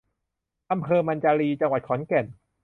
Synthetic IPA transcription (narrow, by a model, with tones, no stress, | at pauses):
ʔa˧mpʰɤː˧ma˧nt͡ɕaː˧ɾiː˧t͡ɕa˧ŋwa˨˩t̪̚kʰɔː˩˦nke˨˩n